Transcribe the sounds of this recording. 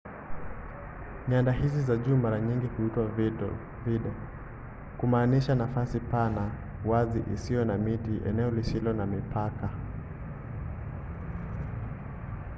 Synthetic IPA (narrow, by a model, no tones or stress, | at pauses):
ɲandaɦizizaʄuːmaɾaɲiŋɡihuitwa | viɗɛ | kumaːniʃanafasipana | waziʔisijɔnamitiʔɛ̰nɛɔlisilɔnamipʰaka